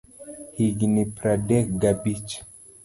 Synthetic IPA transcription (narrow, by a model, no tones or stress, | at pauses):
hiɡnipɾadɛkɡabit͡ʃ